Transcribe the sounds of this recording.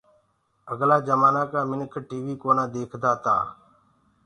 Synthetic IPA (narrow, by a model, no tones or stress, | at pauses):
əɡlaːd͡ʒəmaːnãːkaːmɪnkʰʈiːʋiːkoːnãːd̪eːkʰd̪aːt̪a̰ː